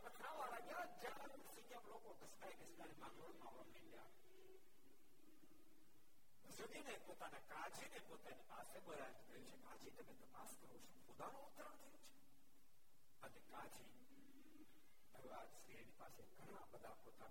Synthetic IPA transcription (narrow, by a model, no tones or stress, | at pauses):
əmekʰãʋalaɡjad͡ʒã | sĩkjãmlokok̪əskaikɪst̪aɾimãŋəɽmãʋa̰melja̰ | əsəd̪inepoːt̪anekad͡ʒinepot̪anipasebəɾajt̪uk̪əjũt͡ʃʰekad͡ʒit̪əmẽt̪əpaskəɾot͡ʃʰõʊd̪anõʊt̪ɾãt̪ʰəjũt͡ʃʰe̥ | ənekad͡ʒʰi | əa | sk̪ʰiɾinipa̰seɡʱəɽ̃ãbəd̪ʱapot̪an